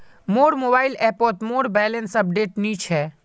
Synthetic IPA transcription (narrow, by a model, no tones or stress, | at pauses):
moːɾmoːbaːɪleːɾpɔːɾʈ̪moːɾbɛːlənsɐp̚ɖeːʈniːt͡ʃʰɦɛː